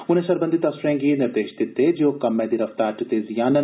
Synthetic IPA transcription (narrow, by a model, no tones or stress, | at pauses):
ʊnẽʃɐɾbə̃nd̪it̪ɐsɾɛ̃ːɡinɪɾd̪eːʃd̪ɪt̪ːed͡ʒoːkɐmːɛ̃ːd̪iɾɐft̪aːʈt̪ezɪjaːnə